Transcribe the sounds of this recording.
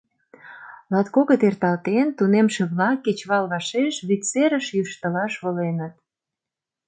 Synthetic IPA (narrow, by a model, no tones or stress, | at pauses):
lɑt̪koɣət̪ert̪ɑlt̪ent̪unemʃĕβlɑkːet͡ɕβɑlβɑʃeʃβitt͡seɾə̆ʃjyʃt̪ə̆lɑʃβɤ̆lenət̪̚